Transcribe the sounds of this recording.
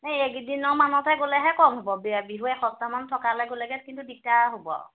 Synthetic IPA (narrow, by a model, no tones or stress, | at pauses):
najeɡdinɔmanɔtʰɛɡolɛɦɛkɔmɦobɔbbiɦuɛxɔstamantʰɔkalaɡolaɡɛtkintudik̚taɦobɔ̰